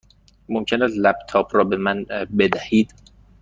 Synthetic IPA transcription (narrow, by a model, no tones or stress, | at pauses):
momcʰenælæbt̪ʰɒːbʰɾɒːbe̞mænbe̞d̪æhiːd̪̥